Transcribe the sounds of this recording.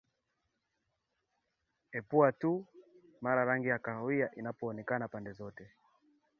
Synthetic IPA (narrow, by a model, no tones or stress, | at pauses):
ɛpuatumaɾaɾaŋɡijakahɔiaʔinapɔːnɛkanapandɛzɔtɛ